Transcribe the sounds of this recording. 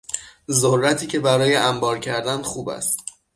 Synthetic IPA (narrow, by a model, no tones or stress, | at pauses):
zorːæt̪ʰiːcʰe̞bæɾɒːje̞ʔæmbɒːɾcʰæɾd̪ænxuːbæ̰st̪